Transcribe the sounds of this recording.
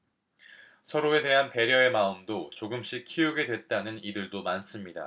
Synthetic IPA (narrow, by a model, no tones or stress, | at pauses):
sʰʌɾoe̞de̞ɦanpe̞ɾjʌe̞maɯmdot͡ɕoɡɯmɕ͈ik̚kʰijuɡe̞dwe̞t̚t͈anɯnidɯɭdomans͈ɯmɲida̰